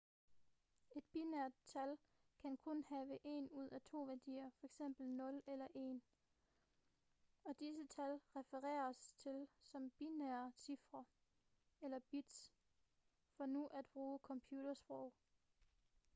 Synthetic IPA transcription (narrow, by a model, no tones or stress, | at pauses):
e̝d̥̚b̥inæɐ̰d̥̚t͡sʰæl | kʰænkʰɔ̽nhɛːʋəʔe̝ːnuð̞̰ˠæt͡sʰo̝̰ːʋæɐd̥ḭːɐfɒ̽eɡ̥sem̰b̥l̩nɔ̽lelɐʔe̝ːn | ɒ̽d̥is̬ət͡sʰælʁɛfəʁɛ̰ːɐst͡sʰe̝lsɒ̽mb̥inæɐsifʁɐ | elɐb̥id̥s | fɒ̽nuʔæd̥̚b̥ʁuːəkʰɒ̽mpʰjuːd̥ɐsb̥ʁɔʊ̰